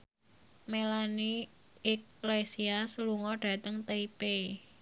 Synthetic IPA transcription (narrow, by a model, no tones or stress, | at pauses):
melaniː | k̚lajsiasluŋɔɖ̥ä̤t̪əŋt̪eipe